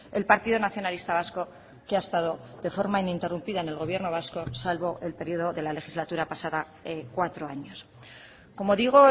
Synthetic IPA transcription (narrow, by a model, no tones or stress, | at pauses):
e̞lpaɾt̪iðonaθjo̞nalist̪aβ̞asko̞ | keaest̪að̞o̞ðe̞fo̞ɾmainint̪e̞rumpiðaene̞lɣo̞β̞je̞ɾno̞β̞asko̞salβo̞ʔe̞lpe̞ɾio̞ðo̞ðe̞lale̞xizlat̪uɾapasaða | ekwat̪ɾo̞aɲo̞s | ko̞mo̞ðiɣ̞o̞